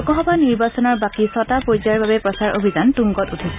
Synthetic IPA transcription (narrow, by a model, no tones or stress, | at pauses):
ɔkɔɦɔbaniɹbasɔnɔɹbakisɔtapojzaɹbabɛpɹɔsaɹo̰bʱizantuŋɡɔtutʰis